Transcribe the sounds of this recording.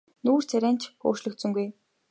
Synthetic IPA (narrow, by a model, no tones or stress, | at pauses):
nuːr̥t͡sʰæɾʲæːn̥t͡ɕʰxo̰ːʃɮɵ̆kt̪sɵ̆ŋɡuj